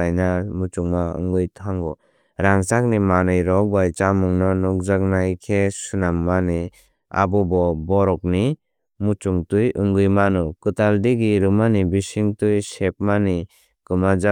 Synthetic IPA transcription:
ajnamut͡ʃuŋmaɯ̰ŋɡɯjtʰaŋɡɔ | ɾaŋsak̚nimanɯjɾɔk̚bajt͡ʃamuŋnɔnɔk̚zak̚najkʰesunamːani | a̰bɔbɔbɔɾɔk̚ni | mut͡ʃuŋtujɯŋɡɯjmanɔkɯtaldiɡiɾɯmanibisiŋtujsep̚mani | kɯmad͡ʒa

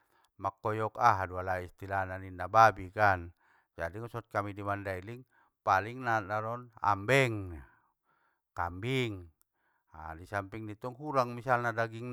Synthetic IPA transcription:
makːɔjɔkaɦadualaist̪ilananinːababikan | d͡ʒadiŋɔsɔt̪̚kamidimandailiŋ | paliŋnanaɾɔna̰mbɛŋna | kambiŋ | a̰disampiŋnit̪ɔŋhuɾaŋmisalnadaɡiŋn

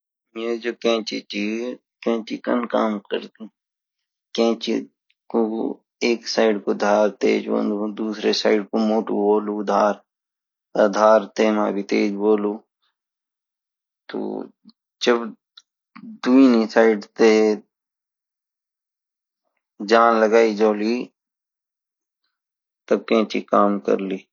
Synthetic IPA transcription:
med͡ʒoːkɛ̃ːt͡ʃḭt͡ʃi | kẽːt͡ʃikə̰nka̰ːmkə̰ɾt̪i | kẽːt͡ʃi | ko | eːksaːɪɖkod̪ʱaːɾt̪ḛːd͡ʒbõ̰nd̪ud̪uːsɾesaːɪɖkomoːʈuboːlud̪ʱaːɾ | ad̪ʱaːɾt̪eːmaːbʱit̪ḛːd͡ʒboːluː | t̪o̰ː | d͡ʒəb | d̪uinisaːɪɖt̪e | d͡ʒaːnləɡaːid͡ʒoːli | t̪əb̚kẽːt͡ʃikaːmkə̰ɾliː

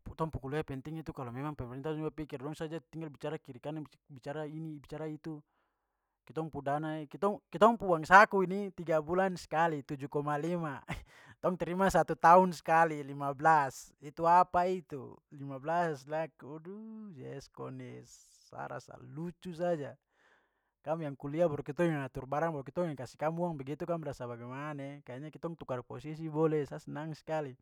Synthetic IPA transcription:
put̪ɔŋpukuluapɛnt̪iŋit̪ukalɔmɛmaŋpɛmɛɾɛnt̪ad͡ʒuapikirdɔŋsad͡ʒat̪iŋɡalbit͡ʃaɾakiɾikana | bit͡ʃaɾainibit͡ʃaɾait̪u | kit̪ɔŋpudanaɛkit̪ɔŋkit̪ɔŋpuaŋsakuinit̪iɡabulanskalit̪ud͡ʒukɔmalima | t̪ɔŋt̪ɛɾimasat̪ut̪aunskalilimablasit̪uapait̪ṵlimablaslakudud͡ʒɛskɔnɛsː | a̰ɾa̰sa̰lut͡ʃus̬ad͡ʒa | kamjaŋkuliabɔɾɔkit̪ɔaŋat̪urbaɾaŋbɔɔkit̪ɔŋikasikamuaŋbɛɡit̪ukamrasabaɡɛmanekaaɲakit̪ɔŋt̪ukarpɔsis̬ibɔlɛsasnaŋskali

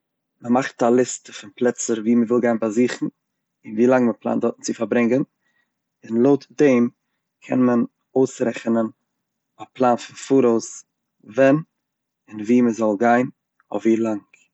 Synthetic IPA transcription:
məmaχtalˠɪstəfɪnplˠɛt͡səɾviːməvɪlˠɡaɪnbaziːχn̩ | ɪnviːlˠaŋməplˠa̰ːndɔtn̩t͡sɪfaɾbɾɪŋɡən | ɪnlˠoʊtdeɪm | kʰɛ̰nmən | oʊsɾɛχənən | aplˠaːnfɪnfuɾoʊs | vɛn | ɪnviːməzɔlˠɡaɪn | ɔviːlˠaŋk

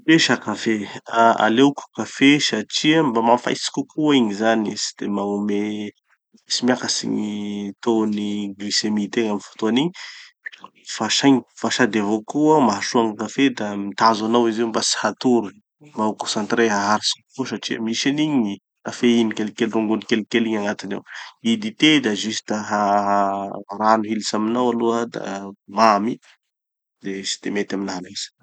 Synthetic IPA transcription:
peʃakafeaa̰leuku̥kafesaʈ͡ʂiəmbamafa̰jsi̥kʲukʰuiɲizanisi̥d̪̥emaŋume | simiakəsḭɲit̪oniɡlisemit̪eŋaminvo̥t̪oaniɲi | faʃajɲifaʃad̪evokuamaɦaʃuaŋakafed̪amit̪azanawiziwmbasi̥hat̪uɾu | mbaukõsant̪reɦaɦaɾisi̥kkosaʈ͡ʂiə̰miʃaniɲi | afeinikelikelruŋɡunikelkeliɲaŋat̪ina̰wid̪it̪ed̪aʒisi̥d̪aɦaaranuɦilisaminawaluəd̪a̰mami | d̪̥esi̥d̪̥emet̪aminaɦales

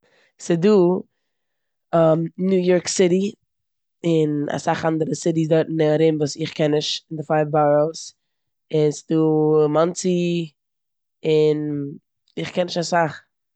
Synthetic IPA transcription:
sɪduː | amnjuːjɔɹksɪɾi | ɪna̰saχandəɾəsɪdisdɔɪtn̩nɛaɾɪmvuːsɪχkɛnːɪʃɪndɪfaɪbaɾols | ɪnsɪ̥duːmant͡si | ɪn | ɪχkɛnɪʃasaχ

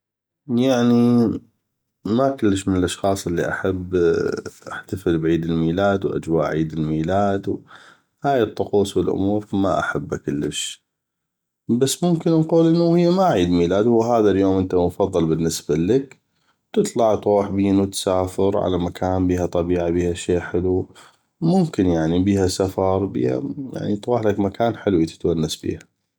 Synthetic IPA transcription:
jaʕni | makʊlːəʃmɪnəlʔɑʃxɑːsˤʔəlːḭʔa̰ħabːʔaħt̪afəlbʕiːd̪ɪlmiːlaːd̪wʔa̰d͡ʒwa̰ːʔʕiːd̪ɪlmiːlaːd̪w | haːjət̪ˤːʊquːsˤwɪlʔʊ̰muːɾfma̰ʔa̰ħabːakʊlːə̰ʃ | basːmʊmkɪnnquːlʔɪnːuhɪjːamaʕiːd̪miːlaːd̪hʊwːɦaːðaljoːmʔənt̪amʊfɑðˤːɑlbɪnːɪsbalɪk | t̪ɨt̪ˤlɑʕt̪ɾuːħbiːnwt̪saːfɪɾʕa̰lamakʰaːnbiːhat̪ˤɑbiːʕabiːhaʃeːʔħɪlu | mʊmkɪnjaʕnibiːhasafɑɾˤbḭːha̰ja̰ʕnit̪ɾuːħlakmakaːnħɪlwit̪ɪ̥t̪wanːasbḭːha

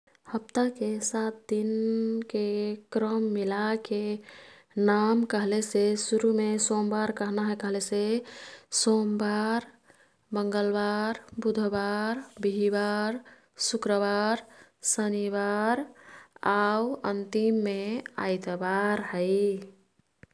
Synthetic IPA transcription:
həpt̪akesat̪̚d̪inkekɾəmːilake | namkəɦlesesuɾumesombaɾkəɦnaɦɛkəɦlese | sombaɾ | bəŋɡəlbaɾbud̪ʱbaɾbiibaɾ | sukɾəbaɾsəniβaɾ | awənt̪imːea̰jt̪baɾɦəɪ

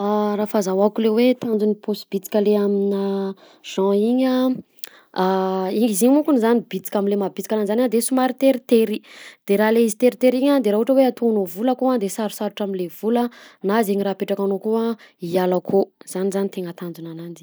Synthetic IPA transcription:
arafazawakulewet̪and͡zunipʰosb̥it͡si̥kʲaleamina | ʒ̥ɑ̃iɲa | iiziɲimukunizanibit͡si̥kʲaminlemabit͡si̥kʲananizanad̪esumaɾit̪eɾit̪eɾid̪̥eɾaleizit̪eɾit̪eɾiɲad̪eɾaɦuʈ͡ʂəweat̪onovuləkuad̪esaɾusaɾuʈ͡ʂaminlev̥ulənazeɲiɾapeʈ͡ʂakanokuaialakʰoz̥anizanit̪eŋət̪and͡zunanand͡ʒi̥

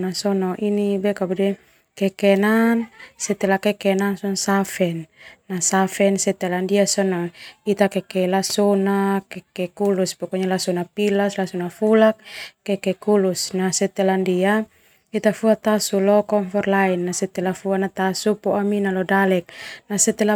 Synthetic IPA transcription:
nasɔnɔʔinibɛkabudɛ | kɛkɛnansɛt̪ɛlakɛkɛnansɔnsafɛnːasafɛnsɛt̪ɛlandiasɔnɔit̪akɛkɛlasɔnakɛkɛkuluspɔkɔɲalasɔnapilaslasunafulak̚ːɛkɛkulusnasɛt̪ɛlandia | it̪afuat̪asulɔkɔŋfɔrlainːasɛt̪ɛlafuanat̪asupɔʔaminalɔdalɛk̚nasɛt̪ɛla

